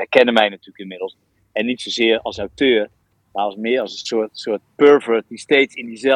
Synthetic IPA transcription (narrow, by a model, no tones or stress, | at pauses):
ɛjkɛnəmɛjnatyːləkɪnmɪdəl̩ˠs | ɛnːitsowzɪːərɑ̰lˠsawtøːr | maɔsmɪəɾɑlˠsənsʊətsʊːt̚pøɹvəɹdistejtsɪndizɛ